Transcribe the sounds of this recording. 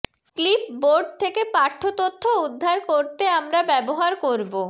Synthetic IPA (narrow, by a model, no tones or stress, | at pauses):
klipboɾɖ̚t̪ʰekepaɾt̪ʰːot̪ot̪ʰːoud̪ʱːaɾkoɾt̪eamɾabɛboɦaɾkoɾbo